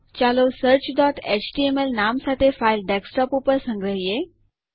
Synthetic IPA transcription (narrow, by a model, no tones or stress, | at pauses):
t͡ɕalosəɾt͡ɕɖɔʈet͡ɕʈiemelnamsat̪ʰefailɖeksʈɔpupəɾsə̃ŋɡɾəɦje